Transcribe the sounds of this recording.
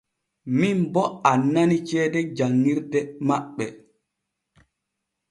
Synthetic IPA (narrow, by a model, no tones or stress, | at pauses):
minbɔanːanit͡ʃɛːdɛd͡ʒaŋːiɾdɛmaɓːɛ